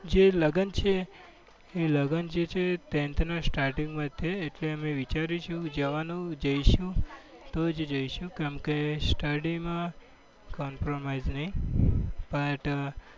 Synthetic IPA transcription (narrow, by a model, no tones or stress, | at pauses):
d͡ʒeləɡənt͡ʃʰeː | ləɡənd͡ʒet͡ʃʰet̪ent̪ʰnasʈaɾʈĩŋɡmãt̪ʰeːʈleəmeʋit͡ʃaɾit͡ʃʰũd͡ʒəʋanũd͡ʒəjiʃũ | t̪od͡ʒed͡ʒəiʃũkeəmkesʈəɖimã | kɔmpɾomajznəɦĩ | bəʈ